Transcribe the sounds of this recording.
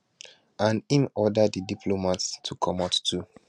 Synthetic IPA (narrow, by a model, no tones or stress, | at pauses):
ʔãnĩnɔdadədipʰlomatstʰukʰɔmattːu